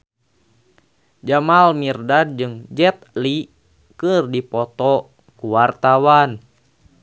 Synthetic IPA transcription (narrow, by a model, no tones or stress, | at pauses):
d͡ʒamalmirdad̚d͡ʒɨŋd͡ʒɛt̪̚li | kɨrdipɔt̪ɔ | kuwart̪awan